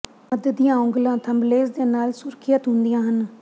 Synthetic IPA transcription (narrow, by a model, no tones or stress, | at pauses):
məd̪əd̪ijãːʊ̃ŋɡlãːt̪ʰəmbleːsd̪eːnaːlsʊɾkʰijət̪ɦʊ̃nd̪ijãːɦən